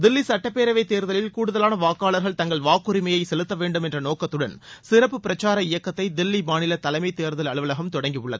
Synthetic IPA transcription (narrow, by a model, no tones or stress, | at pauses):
d̪ɪlːisɐʈːɐpːeːɾɐʋɐɪt̪ːeːɾðɐlɪlkuːɽɯðɐlaːnɐʋaːkːaːɭɐɾɣɐɭt̪ɐŋɡɐɭʋaːkːɯɾɪmɐjɐɪsɛlɯt̪ːɐʋeːɳɖɯmɛndrɐnoːkːɐt̪ːɯɽɐnsɪrɐpːɯpɪɾɐt͡ʃːaːɾɐɪjɐkːɐt̪ːɐɪd̪ɪlːimaːnɪlɐt̪ɐlɐɪmɐɪt̪ːeːɾðɐlɐɭɯʋɐlɐɣɐmt̪ɔɽɐŋɡijɯɭːɐ̰ðɯ